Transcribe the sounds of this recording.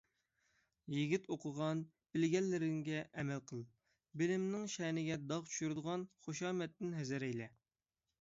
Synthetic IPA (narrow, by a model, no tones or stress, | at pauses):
jiɡʲit̪oqʰəʁɑn | bɪlɡʲɛlːɪɾɪŋɡʲɛʔɛmɛlqʰəlˠ | bɪlɪmnɪŋʃɛnɪɡʲɛd̪ɑʁt͡ʃʰy̥ʃyɾd̪əʁɑnχoʃɑːmɛt̪ːɪnɦɛzɪɾɛjlɛ